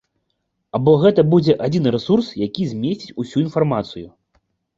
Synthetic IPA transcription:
abɔɣɛt̪ɐbud͡zʲɛʔad͡zʲinɨɾɛsursjakʲizʲmʲesʲt͡sʲi̥t͡sʲusʲuin̪farmat̪sɨju

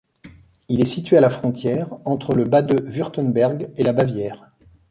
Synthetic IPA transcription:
ilɛsit̪ɥealafχɔ̃t̪jɛːʁɑ̃t̪χələbad̪əvyʁt̪ənbɛʁɡelabavjɛːʁ

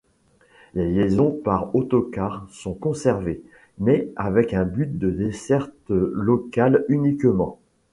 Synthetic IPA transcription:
leljezɔ̃paʁot̪ɔkaʁsɔ̃kɔ̃sɛʁve | mɛavɛkɛ̃byt̪̚d̪əd̪esɛʁt̪lɔkalynikmɑ̃

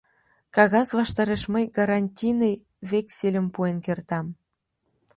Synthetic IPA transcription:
kɑɣɑsβɑʃt̪ɑɾeʃməjɡɑɾɑnʲtʲinej | βeksilʲə̆mpuenkert̪ɑm

